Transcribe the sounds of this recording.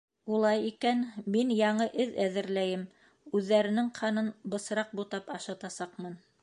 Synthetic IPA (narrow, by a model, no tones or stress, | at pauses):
ulˠɑjikænminjɑɴɤʔɘðæðɘ̆ɾlæjɘm | ʉðːæɾɘ̆nɘŋqʰɑnɤnbɤ̆sɾɑq̚but̪ɑpɑʃɑt̪ɑsɑqmɤn